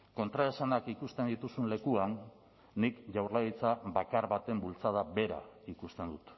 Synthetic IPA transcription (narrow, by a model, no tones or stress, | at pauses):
ko̞nt̪ɾaesanakikust̪e̞nd̪it̪usunle̞kuanː | ikʝawrlaɣit͡sabakaɾβat̪e̞mbult͡sað̞aβe̞ɾa̰ikust̪e̞nd̪ut̪